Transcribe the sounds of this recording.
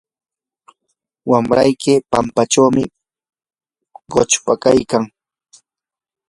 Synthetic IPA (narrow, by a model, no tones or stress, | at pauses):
wamɾajkɪpampat͡ʃawmɪ | ɢot͡ʃpakajkaŋ